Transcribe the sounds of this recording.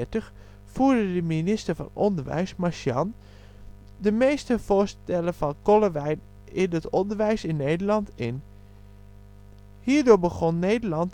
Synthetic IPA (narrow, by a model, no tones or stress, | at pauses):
təχ | fuːɹdədəminɪstəɹvɑ̰nɔndəɹʋɛ̰jsmaʃjɑn | dəmejstəv̥oːɹstɛləvɑnkɔləʋɛj | ɪndətɔndəɹʋɛjsɪnːeːdəlɑntɪn | hiːɹdoːɹbəχɔnːeːdəɹlɑnt